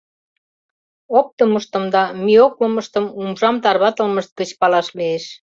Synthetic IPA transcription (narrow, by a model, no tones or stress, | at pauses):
op̚t̪əməʃt̪ə̆md̪ɑmiokləmə̆ʃt̪ə̆mumʒɑmt̪ɑrβɑt̪ə̆lməʃt̪̚kət͡ɕpɑlɑʃlieʃ